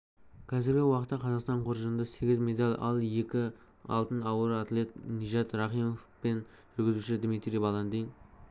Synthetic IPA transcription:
qʲʰɑzɪɾɡʲɪwɑqət̪ːɑqʰɑzɑqst̪ɑɴqʰoɾʒənd̪ɑse̞ɡʲɪzmʲe̞d̪ɑlʲʔɑ̰lˠje̞kʲɪ | ɑ̰lˠt̪ənɑwəɾɑt̪lʲe̞t̪niʒɑt̪rɑχijmofpen | ʒʏɾɡʲɪzuʃɪd̪mit̪ɾʲijbɑlˠɑnd̪ejn

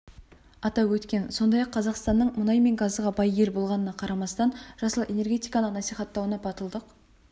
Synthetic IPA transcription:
ɑt̪ɑwwɵt̪kʲe̞nso̞nd̪ɑjɑqʰːɑzɑqst̪ɑnːəɴmʊnɑjme̞ŋɡɑzʁɑbɑjɡe̞ɾbo̞lˠʁɑnənɑqʰɑɾɑmɑst̪ɑnʒ̥ɑsəlˠe̞ne̞rɡʲe̞t̪ijkɑnəqnɑsijχɑt̪ːɑwənɑpʰɑt̪əlˠd̪əq

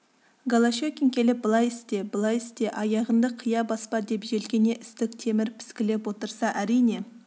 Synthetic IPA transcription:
ɡolˠaʃekʲeŋkʲʰe̞lɪp̚bəlˠɑjɪst̪e̞bəlˠɑjɪst̪e̞ʔɑjɑʁənd̪əqʰəjɑbɑspɑd̪e̞pʒe̞lɡʲe̞ne̞ʔɪst̪ɪk̚t̪ʰe̞mɪɾpʰɪ̥skʲɪle̞pwo̞t̪əɾsɑʔæɾijne̞

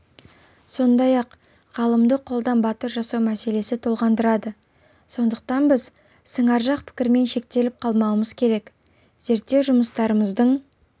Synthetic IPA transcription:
so̞nd̪ɑjɑq | ʁɑlˠəmd̪əqʰːo̞lˠd̪ɑnbɑt̪əɾʒɑsɑwmæse̞le̞sɪt̪ʰolˠʁɑnd̪əɾɑd̪ə | so̞nd̪əq̚t̪ɑnbɪz | səɴɑɾʒɑq̚pʰɪ̥kʲɪɾme̞nʃe̞k̚t̪e̞lɪp̚qʰɑlˠmɑwəməzkʲʰe̞ɾe̞k | z̥e̞ɾt̪ːe̞wʒʊməst̪ɑɾəməzd̪əɴ

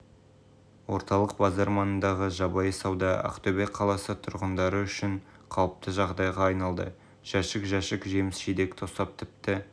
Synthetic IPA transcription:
wo̞̰ɾt̪ɑlˠəq̚bɑzɑɾmɑnənd̪ɑʁəʒɑbɑjəsɑwd̪ɑæ̰qt̪ɵbeqʰːɑlˠɑsət̪ʰʊɾʁənd̪ɑɾəʏʃɪɴ | qʰɑwˠəp̚t̪ʰəʒɑʁd̪ɑjʁɑːjnɑlˠd̪ə̰ | ʒ̥æʃɪkʒæʃɪkʒemɪsʃed̪e̞kt̪ʰo̞st̪ɑp̚t̪ʰɪp̚t̪ɪ

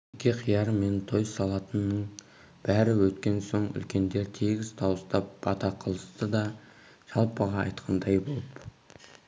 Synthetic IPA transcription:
kʲʰːe̞qʰijɑɾəme̞nt̪ʰo̞jsɑlˠɑt̪ənːəɴ | b̥æɾɪwɵt̪kʲe̞nso̞ɴʏ̰lkʲe̞nd̪e̞ɾt̪ʰeɡʲɪzt̪ʰɑwəst̪ɑp̚bɑt̪ɑqʰəlˠəst̪əd̪ɑ | ʒ̥ɑlˠpəʁɑ̰ːjt̪qʰɑnd̪ɑjbo̞lˠəp

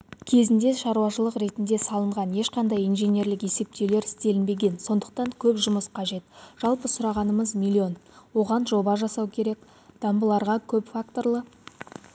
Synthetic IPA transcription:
kʲʰe̞zɪnd̪e̞ʃɑɾuwɑʃəlˠəqɾe̞t̪ɪnd̪e̞sɑlˠəɴʁɑnje̞ʃqɑnd̪ɑjinʒe̞nʲe̞ɾlɪkje̞se̞p̚t̪e̞wle̞ɾɪst̪e̞lɪnbe̞ɡʲe̞nso̞nd̪əq̚t̪ɑŋkʲʰɵpʒʊməsqʰɑʒe̞t̪ʒ̥ɑlˠpəsʊɾɑʁɑnəməzmʲilʲːio̞nwo̞ʁɑnʒo̞bɑʒɑsɑwkʲʰe̞ɾe̞k | d̪̥ɑmbəlˠɑɾʁɑkʲʰɵpfakt̪o̞rlˠə

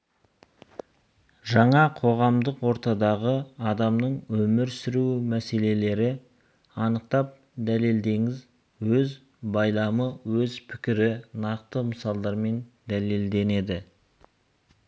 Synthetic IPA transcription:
ʒɑɴɑqʰo̞ʁɑmd̪əqwo̞ɾt̪ɑd̪ɑʁəɑd̪ɑmnəɴwɵmɪɾsʏɾumæse̞le̞le̞ɾɪ | ɑnəq̚t̪ɑp̚ | d̪æle̞ld̪e̞ŋɪz | wɵz | bɑjlˠɑməwɵzpʰɪ̥kʲɪɾɪnɑqt̪əməsɑlˠd̪ɑɾme̞nd̪æle̞ld̪e̞ne̞d̪ɪ

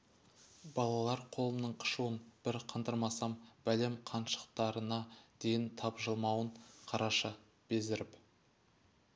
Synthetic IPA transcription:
bɑlˠɑlˠɑɾqʰo̞lˠəmnəɴqʰə̥ʃuwənb̥ɪɾqʰənd̪əɾmɑsɑmbælemqʰɑnʃə̥qt̪ɑɾənɑd̪̥e̞jɪnt̪ʰɑpʒəlˠmɑwəɴqʰɑɾʔɑʃə | b̥ezɪɾɪp

